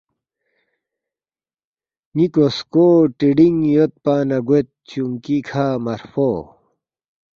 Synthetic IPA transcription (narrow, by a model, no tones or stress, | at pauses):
nikoskoːʈiɖiŋjot̪̚paːnɐɡet̪̚t͡ɕuŋkikʰaːmɐɾfoː